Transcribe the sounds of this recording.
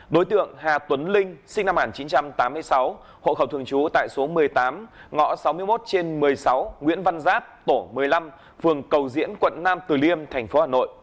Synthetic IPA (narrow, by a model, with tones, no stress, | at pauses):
ɗo˨˦jt̪ɨ̰˧˨əŋhaː˨˩t̪wə˨˦nlï˧ŋ̟sï˧ŋ̟na˧mhaː˨˩nt͡ɕi˨˦nt͡ɕa˧mt̪aː˨˦mːɨ˧əjsa˨˦w | ho̰˧˨xə˧˩wt̪ʰɨ˨˩əŋt͡ɕu˨˦t̪a̰ː˧˨jso˨˦mɨ˨˩əjt̪aː˨˦mŋɔ̰˧˥sa˨˦wmɨ˧əjmo˦˥t̚t͡ɕe˧nmɨ˨˩əjsa˨˦wŋwḭ˧˥ənva˧nzaː˦˥t̚t̪o˧˩mɨ˨˩əjla˧m | fɨ˨˩əŋkə˨˩wzḭ˧˥ənkwə̰˧˨nːaː˧mt̪ɨ˨˩li˧əmt̪ʰɛ˨˩jŋ̟fo˨˦haː˨˩no̰˧˨jʔ